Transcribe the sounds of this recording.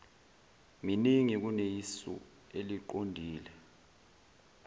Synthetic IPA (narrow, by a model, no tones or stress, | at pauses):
miniŋik̬unejisṵ | eliǃondʱiːlɛ